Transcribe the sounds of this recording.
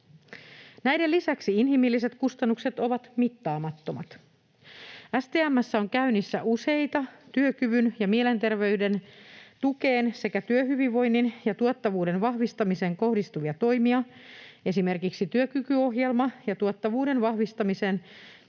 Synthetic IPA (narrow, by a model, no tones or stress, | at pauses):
næjde̞lːisæksiinɦimilːiset̪kust̪ɑnːukse̞t̪o̞ʋɑt̪mit̪ːɑːmɑt̪ːo̞mɑt̪ | æst̪eːæmːæsːæo̞ŋkæynisːæ̰ʔuse̞jt̪ɑt̪yøkyʋynjɑmie̞le̞nt̪e̞rʋe̞yde̞nt̪uke̞ːnse̞kæt̪yøɦyʋiʋʋːo̞jnːinjɑt̪uɑt̪ːɑʋuːde̞nʋɑhʋist̪ɑmiseːŋko̞hdist̪uʋiɑt̪o̞jmiɑe̞sime̞rkiksit̪yøkykyo̞ɦjelmɑjɑt̪uɑt̪ːɑʋuːde̞nʋɑhʋist̪ɑmise̞ːn